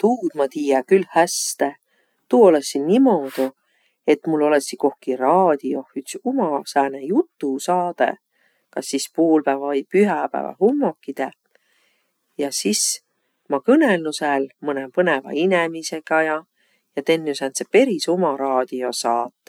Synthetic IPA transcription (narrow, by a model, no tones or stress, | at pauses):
t̪uːd̪̥mɑt̪iːjɑkylhæst̪e | t̪uːolesːinnimo̞d̪u | e̞t̪ːmulːo̞lesːiko̞hkirɑːd̪̥io̞hyt̪sumɑsæːnejut̪ːusɑːd̪̥ḛ | kɑsːispuːlpævɑɤjpyɦɑpæ̰ːvɑ̰humːo̞kːid̪̥e | jɑsis | mɑkɤnelnusælmɤnempɤnevɑ̰inemise̞ɡ̥ɑjɑ | jɑt̪e̞nːysent̪sepe̞ɾisomɑɾɑːd̪̥io̞sɑːt̪ːˑe